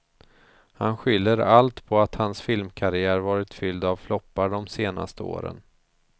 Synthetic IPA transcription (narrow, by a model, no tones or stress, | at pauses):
hanɧʏlːəɾalt̪pʰɔat̪hansfɪlmkʰaɾɪæːɾvɑːɾɪt̪fʏld̪avflɔpːaɖɔmseːna̰st̪əo̰ːɾə̰n